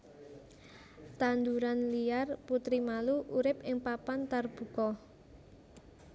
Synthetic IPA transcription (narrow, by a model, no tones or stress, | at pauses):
t̪and̪uɾanlijarput̪ɾimaluʔuɾɪpɪŋpapant̪arb̥ṳkɔ